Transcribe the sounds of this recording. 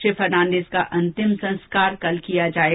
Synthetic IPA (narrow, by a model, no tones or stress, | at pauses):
efɐɾnãːnɖeːskaʔɐ̃nt̪ɪmsɐ̃nskaːɾkɐlkijad͡ʒaːe